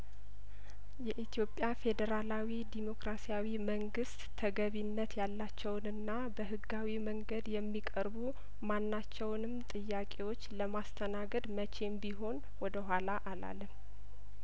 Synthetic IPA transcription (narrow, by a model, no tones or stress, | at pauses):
jɛʔit̪ʰjo̞pʼjafe̞d̪əɾalawid̪imo̞kɾasijawiməŋɡɨst̪ːʰəɡəβinːət̪jalːat͡ʃːɛwnɨnːa | bəɦɨɡawiməŋɡəd̪jɛmːikʼəɾbu | manːat͡ʃːɛwnɨmt̪ʼɨjːakʼe̞wo̞t͡ʃːləmast̪ʰənaɡəd̪mət͡ʃʰe̞mbiɦo̞n | wɔd̪əɦʷalaʔala̰lːm